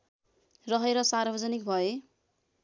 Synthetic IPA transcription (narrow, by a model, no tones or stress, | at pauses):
rʌɦeɾʌsarbʱʌd͡zʌnik̚bʱʌe